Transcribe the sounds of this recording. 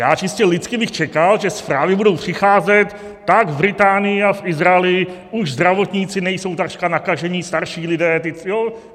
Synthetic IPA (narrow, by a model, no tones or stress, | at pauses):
jaːt͡ʃɪscɛlɪt͡skɪbɪxt͡ʃɛkalʒɛspɾaːvɪbudo̞wpr̝̥ɪxaːzɛt̪ː | aɡvɾɪt̪aːnɪjɪafʔɪzɾaɛlɪʔuʒzd̪ɾavo̞t̪ɲiːt͡sɪnɛjso̞wt̪aʂkanakaʒɛɲist̪aɾʃiːlɪdɛːt̪ɪjo